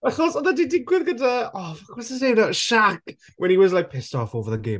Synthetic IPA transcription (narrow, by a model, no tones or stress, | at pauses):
aχɔsɔnðadidɪɡwɪðɡədəɔkɔsɪsenaʃak | wʔɛ̃niwɔzlajk̚pʰɪstɔfovəðəɡe